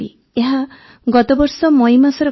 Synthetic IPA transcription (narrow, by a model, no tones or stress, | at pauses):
ḭ | eɦa | ɡɔt̪ɔbɔɾsɔmɔjmasɔɾɔ